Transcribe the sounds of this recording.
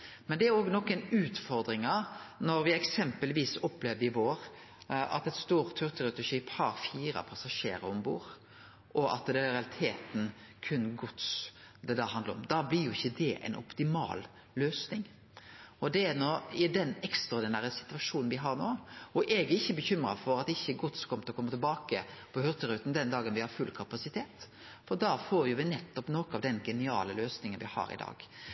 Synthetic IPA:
mɛnd̪ɛæɾoːɡnɔkːənʉːt̪fɔɾd̪ɾɪŋɑnɔɾʋɪɛksɛmpəlʋiːsɔpleːʋəɾɪʋoːɾ | ʔɑ̰t̪ɛt̪st̪uːɾt̪ʰːʉɾt̪ʰəɾɛt̪ʊʃiːphɑɾfiːɾɑ̰pʰɑsɑʂḛːɾə̰ɾɔmbṵːɾ | ʔɔʔɑ̰t̪d̪ɛɾɛɑlɪt̪ʰeːt̪n̩kʰʉnɡɔt̪sd̪ɛd̪æɦɑnd̪əɾɔ̰md̪ɑːblɪɾjʊɪçːəd̪ɛʔɛ̰nʔɔ̰pt̪ɪmɑ̰ːl | løːsnɪŋ | ɔd̪ɛæɾnɔɪd̪ɛnɛkst̪ɔɾd̪ɪnæːɾəsɪ̥t̪ʉɑʂuːnn̩ʋɪɦɑɾnoːʔɔʔɛɡɛɪçːəbəçʏmɾɑ̰fɔɾɑt̪ɪçːəɡʊt̪skʰɔmət̪lɔkɔmːət̪ʰɛlbɑːkəpʰɔhʏɾt̪əɾʉːt̪n̩d̪ɛnd̪ɑːɡənʋɪhɑɾfʉlkʰɑpɑsɪt̪ʰeːt̪ | fɔɾd̪ɑːfoːɾjʊʋɪnɛt̪ːɔpnoːkəɑʋd̪ɛnɡɛnɪɑ̰ːləløːsnɪŋənʋɪhɑ̰ɾɪ̰d̪ɑ̰ːɡ̥

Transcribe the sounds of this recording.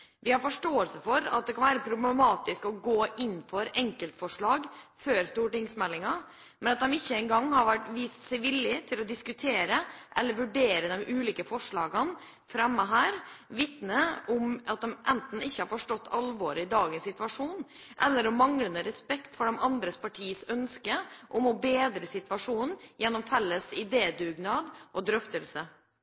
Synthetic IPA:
ʋɪhɑɾfɔʂʈoːəlsəfɔɾɑt̪̚d̪ɛkʰɑnʋæːɾəpʰɾʊblɛmɑːt̪ɪskɔɡoːʔɪnːfɔɾɛŋkəlt̪fɔʂɭɑːɡføːɾst̪uːʈɪŋsmɛlːɪŋɑ | mɛnɑt̪̚d̪ɛmɪçːəɛŋɡɑŋːhɑɾʋæʈʋiːst̪sɛɪʋɪlːɪt̪ʰɪlɔd̪ɪskʉt̪ʰeːɾəʔɛlːəɾʋʉɖeːɾəd̪ɛmʔʉːliːkəfɔʂɭɑːɡən | fɾɛmːəɦæːɾʋɪt̪nəʊmɑt̪̚d̪ɛmʔɛnt̪n̩ɪçːəhɑɾfɔʂʈɔt̪ːɑlʋoːɾəɪd̪ɑːɡənsɪt̪ʋɑʂuːn | ʔɛ̰lːəɾɔmːɑŋlənəɾɛspɛkt̪fɔɖɛmɑnd̪ɾəspʰɑʈʰiːəsœnskəʔɔmɔbeːd̪ɾəsɪt̪ʋɑʂuːnn̩jɛnːɔmfɛlːəsɪd̪eːd̪ʉːɡnɑd̪ʔɔd̪ɾœft̪əlsə

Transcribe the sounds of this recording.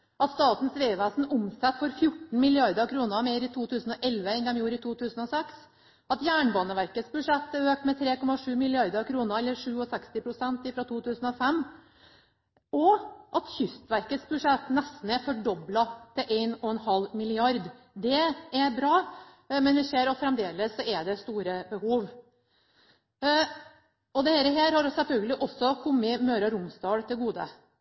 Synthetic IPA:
ʔɑt̪st̪ɑːt̪n̩sʋeːʋæːsn̩ʊmsɛt̪ːfɔɾfjʊʈːn̩mɪlɪɑɾd̪əɾkʰɾuːnəmeːɾɪt̪ʰuːt̪ʰʉːsən̩ɔʔɛlʋəɛnd̪ɛmjuːɾɪt̪ʰuːt̪ʰʉːsn̩ɔsɛks | ɑt̪jæːɳbɑːnəʋæɾkət̪sbʉʂɛt̪ːɛøːk̚t̪mɛt̪ʰɾeːkɔmːɑʂʉːmɪlɪɑɾd̪əɾkʰɾuːnəɾɛlːəɾʂʉːɔsɛkst̪ɪpʰɾʊsɛnt̪ɪfɾɑt̪ʰuːt̪ʰʉːsn̩ɔfɛmː | ɔʔɑt̪çʏst̪ʋæɾkət̪sbʉʂɛt̪ːnɛst̪n̩ɛɾfɔɖɔblɑt̪ʰɪlʔeɪnɔɛnhɑlmɪlɪɑɾd̪ | d̪ɛɛɾbɾɑː | mɛnʋɪsʃeːɾɑt̪fɾɛmd̪eːləsːɔɛɖɛst̪uːɾəbəhuːʋ | ɔd̪ɛhæːɾəɦæːɾhɑɾsɛlfœlɡəlɪʔɔsːɔkʰʊmːəmøːɾɑɾʊmst̪ɑːɽt̪ʰɪlɡuːd̪ə̰

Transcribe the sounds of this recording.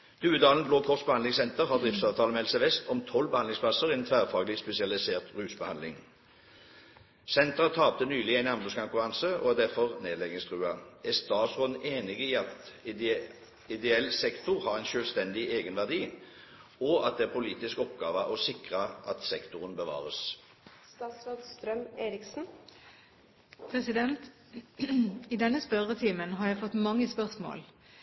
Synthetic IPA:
d̪̥ʉːəd̪ɑːlən̩bloːkʰɔʁsbəhɑnd̪ɪŋsɛnt̪əʁɦɑʁd̪ʁɪft̪sɑːʋt̪ʰɑːləmɛɛlsəʋɛst̪ɔmt̪ʰɔlbəhɑnd̪ɪŋsplɑsəʁiɛnt̪ʰʋæːʁfɑːɡəlɪspɛsɪɑlɪseːʁt̪ʁʉːsbəhɑnd̪lɪŋ | sɛnt̪əʁət̪ʰɑːp̚t̪ənyːlɪæɪnɑmlʉskʰɔŋkʉʁɑnsəɔ̰æd̪æʁfɔʁneːd̪lɛɡənɪst̪ʰʁʉːɑɛst̪ɑːt̪sʁoːd̪n̩eːnɪɡəiːɑt̪ | ɪd̪ɛɛlːsɛkt̪ʊʁhɑʁæɪnʃøːlst̪ɛnd̪ɪʔeːɡənʋæʁd̪iː | ɔɑ̰t̪̚d̪ɛæʁpʰʊliːt̪ɪskɔpɡɑːʋəʔɔsɪkʁəʔɑt̪sɛkt̪ʊʁənbəʋɑ̰ːʁəs | st̪ɑːt̪sɾoːd̪st̪ɾœmeːɾɪksn̩ | pʰʁɛsɪd̪ɛnt̪ | iːd̪ɛnːəspœʁət̪ʰiːmənɦɑɾjæɪfɔt̪ːmɑŋːəspœʁsmo̰ːl

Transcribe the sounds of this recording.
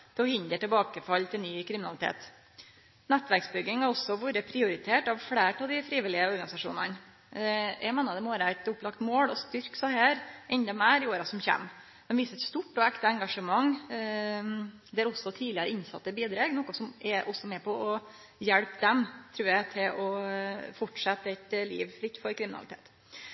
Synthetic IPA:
d̪ɔhʏnd̪əʈɪlbɑːkəfɑlːt̪ʰɪlnyːkʰɾɪmɪnɑ̰lɪt̪ʰḛːt̪ | nɛt̪ːʋæɾksbʏɡːɪŋhɑɾɔsɔʋuːɾəpʰɾɪʊɾɪt̪ʰeːʈɑʋfɽeːʈɑʋd̪ɪfɾiːʋɪlɪəɔɾɡɑnɪsɑʂṵːnɑ̰n | jʔæɪmeːnəd̪ɛmoːɾæɪt̪ʊplɑkt̪moːɽɔst̪ʏɾksɑhæːɾʔɛnd̪ɑmæːɾɪoːɾɑsɔmçɛ̰mː | d̪ɛmʋiːsəɛt̪st̪uʈːɔɛkt̪ɑɛŋɡɑʂəmɑŋ | d̪ɛæɾɔsːɔt̪ʰiːlɪəɾəɪnsɑ̰t̪ːəbiːd̪ɾɑːɡnɔkːɔsɔmʔɛʔɔsːɔmɛpʰɔɔ | jɛɽpd̪ɛmt̪ʰɾʉːɾjæɪt̪ʰɪlɔfɔʈʂɛt̪ːəɛt̪lḭːʋlɪt̪ːfɔɾkʰɾɪmɪnɑ̰ɪt̪ʰḛːt̪

